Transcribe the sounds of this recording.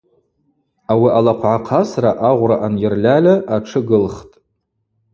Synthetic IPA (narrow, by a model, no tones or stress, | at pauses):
awiʔalaqʷʰʕaqʰasraʔaʁʷraʔanjɪrlʲalʲaʔːʈ͡ʂʰɨɡɨlχtʼ